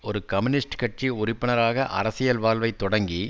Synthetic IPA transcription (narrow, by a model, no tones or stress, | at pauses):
ɔɾɯkɐmɪnɪsʈkɐʈ̚t͡ʃiʊrɪpːɪnɐɾaːɣɐʔɐ̰ɾɐsɪjɐlʋaːlʋɐɪt̪ːɔɽɐŋɡi